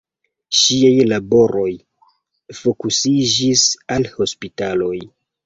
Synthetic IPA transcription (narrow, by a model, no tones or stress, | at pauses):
ʃiajlabo̞ɾo̞j | fo̞kusid͡ʒisalho̞spitalo̞j